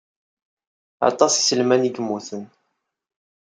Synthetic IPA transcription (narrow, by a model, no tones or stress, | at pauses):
ɑ̰t̪ˤɑsisəlmæniɡəmːuθən